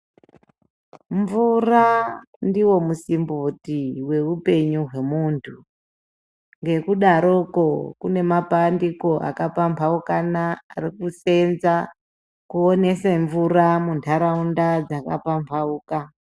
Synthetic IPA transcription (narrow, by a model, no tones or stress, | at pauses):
ɱvura | ndiwo̞musimbotiwe̞upe̞ɲuɦwe̞muntʰu | ŋɡe̞kuɗaɾoko̞kune̞mapandiko̞ʔa̰kapampʰaukanaa̰rikuse̞nza | kuone̞seɱvuramuntʰaɾaundad͡zakapampʰauːka